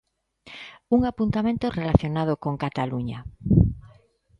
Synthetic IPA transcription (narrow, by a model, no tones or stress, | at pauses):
uŋapunt̪amẽnt̪orelaθjonað̞okoŋkat̪aluɲa